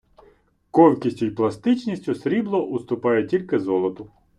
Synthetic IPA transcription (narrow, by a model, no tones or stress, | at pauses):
kɔlʲkʲisʲtʲʊjplˠɐst̪ɪt͡ʃnʲisʲtʲʊsɾʲiblˠɔʔʊst̪ʊpɑjɛtʲilʲkɪzɔlˠɔt̪ʊ